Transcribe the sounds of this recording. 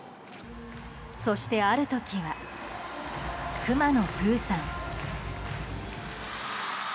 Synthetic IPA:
so̞ɕi̥t̪e̞aɾɯ̟t̪o̞kʲiβa | kɯ̟mano̞kɯ̟ːsãŋ

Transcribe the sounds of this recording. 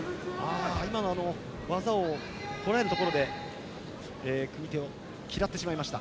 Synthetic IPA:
aːimano̞ano̞ | βazao̞ | t̪o̞ɾaeɾɯt̪o̞ko̞ɾo̞d̪e̞ | eːkɯ̟mʲit̪e̞o | kʲiɾat̪ːeɕimaimaɕi̥t̪a̰

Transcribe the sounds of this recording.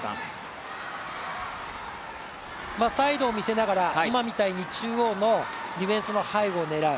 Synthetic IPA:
masaid̪o̞ːmʲise̞naɡaɾaimamʲit̪aiɲ̟it͡ɕɨːoːno̞ɾʲiβẽ̞ɰ̃sɨno̞haiɡo̞ːne̞ɾaɯ̟

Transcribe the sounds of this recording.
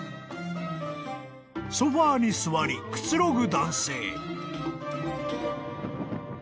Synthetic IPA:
soɸaːɲ̟isɨβaɾʲikɯ̟̥t͡sɨɾo̞ɡɯ̟d̪ãɰ̃se̞ː

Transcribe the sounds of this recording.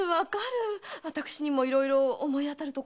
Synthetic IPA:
βakaɾɯ̟βat̪akɯ̟̥ɕiɲ̟imo̞iɾo̞iɾo̞ːmo̞iat̪aɾɯ̟t̪o̞k

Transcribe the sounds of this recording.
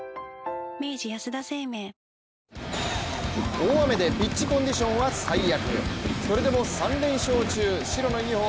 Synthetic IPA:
me̞ːd͡ʑijasɨd̪ase̞ːmeː | oːame̞d̪e̞bʲit͡ɕt͡ɕːikõ̞ɲ̟d̪ʲiɕõ̞ɰ̃βasaijakɯ̟̰so̞ɾe̞d̪e̞mo̞sãnɾẽ̞ɰ̃ɕo̞ːt͡ɕɨːɕiɾo̞no̞ɡʲiho

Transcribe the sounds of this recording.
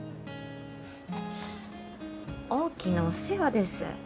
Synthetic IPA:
oːkʲinose̞βad̪e̞sɨ̰

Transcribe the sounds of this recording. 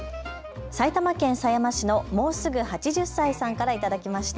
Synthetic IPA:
sait̪amakẽ̞ɰ̃sajamaɕino̞mo̞ːsɨɡɯ̟hat͡ɕiʑɨsːaisãŋkaɾait̪ad̪akʲimaɕi̥t̪

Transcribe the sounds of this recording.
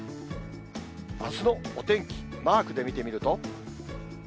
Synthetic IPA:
asɨno̞ːt̪ẽ̞ŋkʲi̥maːkɯ̟d̪e̞mʲit̪e̞mʲiɾɯ̟t̪o

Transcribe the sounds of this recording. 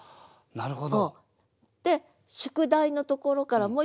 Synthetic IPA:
naɾɯ̟ɦod̪o | d̪̥e̞ | ɕɨ̥kɯ̟d̪aino̞t̪o̞ko̞ɾo̞kaɾamoː

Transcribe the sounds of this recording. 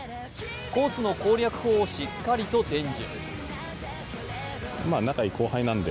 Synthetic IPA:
ko̞ːt͡sɨno̞ko̞ːɾʲakɯ̟̥hoːɕikːaɾʲit̪o̞d̪ẽ̞ɲd͡ʑḭ̃ | maːnakaikʰo̞ːhainãnd̪e

